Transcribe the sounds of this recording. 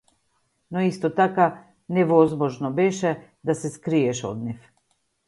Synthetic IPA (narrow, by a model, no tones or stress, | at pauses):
nɔist̪ɔt̪aka | nɛvɔzmɔʒnɔbɛʃɛ | d̪asɛskɾiɛʃɔ̰d̪̚nif